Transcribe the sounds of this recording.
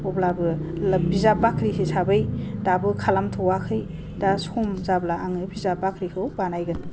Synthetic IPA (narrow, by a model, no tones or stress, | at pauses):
ɔblabɯlbizabakʰɾisesabɯjdabɯkʰalamtʰɯwakʰɯj | dasumzablaaŋɯbizabakʰɾikʰɯwbanajɡɯn